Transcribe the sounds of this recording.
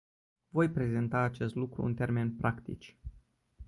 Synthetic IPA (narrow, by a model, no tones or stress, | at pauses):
vo̞jpɾe̞ze̞nt̪aːt͡ʃe̞st̪lukɾṵnt̪e̞rme̞npɾakt̪ḭt͡ʃʲ